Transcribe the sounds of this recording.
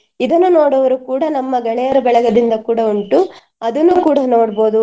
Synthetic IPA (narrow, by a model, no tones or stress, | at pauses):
id̪ɐnːunoːɽɐʋɐɾukuːɽɐnɐmːɐɡɐɳɛjɐɾɐbɛɭɐɡɐd̪ind̪ɐkuːɽɐuɳʈu | ɐd̪ɐnːukuːɽɐno̞ːɽboːd̪u